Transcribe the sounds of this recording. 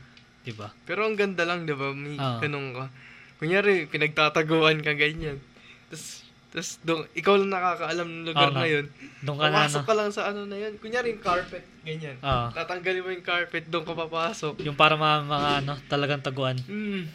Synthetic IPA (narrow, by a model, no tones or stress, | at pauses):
d̪̥ɪbapɛːɾo̞ɐŋɡɐnd̪ɐlɐŋd̪ɪbamɐjoɡɐnoŋkɐkʊŋjaːɾɪpɪnɐɡ̚t̪aːt̪ɐɡoːʔɐnkɐɡɐɲan | t̪ɐs | t̪ɐsd̪ʊŋʔɪkawlɐŋnɐkaːkɐʔɐlamnɐŋlʊɡaɾnɐjo̞nd̪ʊŋkɐnɐɐnokːɐlɐŋsɐʔɐno̞nɐjonkʊŋjaːɾɪjʊŋkaɹpɛt̪̚ɡɐɲanoʔ̪aːt̪ɐŋɡɐlɪmojʊŋkaɹpɛt̪̚d̪ʊŋkɐpapaːso̞k̚jʊŋpaːɾɐmɐamɐŋaʔɐno̞t̪ɐlɐɡaŋt̪ɐɡoʔanm̩